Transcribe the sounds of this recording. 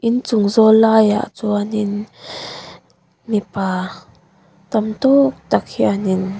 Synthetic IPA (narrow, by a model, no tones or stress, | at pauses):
ʔɪnt͡sʊŋzɔlaːja̰ʔt͡suanɪn | mipaː | t̪amt̪uk̚t̪ak̚hianɪn